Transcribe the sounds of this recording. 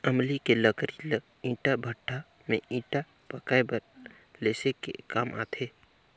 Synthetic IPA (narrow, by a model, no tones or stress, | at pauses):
ɐmlikelɐkɾil | ĩːʈabʱəʈʰːa | mẽĩːʈa | pɐkaebəɾ | leːsekḛkaːmʔa̰ːt̪ʰeː